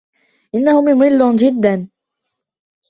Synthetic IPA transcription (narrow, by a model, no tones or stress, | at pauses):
ʔɪnːahʊmjʊmɪlːʊd͡ʒɪd̪ːan